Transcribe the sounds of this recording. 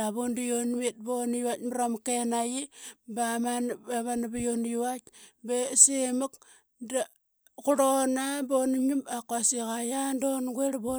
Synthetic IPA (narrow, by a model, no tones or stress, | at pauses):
aβondijonwet̚bonjuwatmɾamkenajibamanaβanabajonjwatbesemuk | da | kuɾonabonɲumbakwasikajandonɡweɾbo